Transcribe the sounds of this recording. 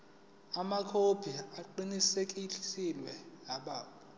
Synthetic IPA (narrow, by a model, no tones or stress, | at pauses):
amakʰopʰiaǃinisekʼiilwɛnaɓaːu